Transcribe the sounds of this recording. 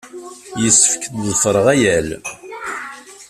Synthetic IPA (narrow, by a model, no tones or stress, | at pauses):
jəsːəfə̥kəd̪ðˤfɾˤəʁæjæl